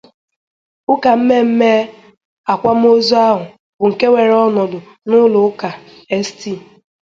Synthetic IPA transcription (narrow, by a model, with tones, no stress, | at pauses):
ʊ˦ka˨m̩˦me˦m̩˦me˦ | a˨kʷa˦m̩˦o˦zu˦a˦ɦʊ˨ | bʊ˨ŋ̩˨ke˦wʷe˨ɾɔ˦nɔ˨dʊ˨ | nʊ˦lʊ˨˦ka˨ | e˦sti˦˨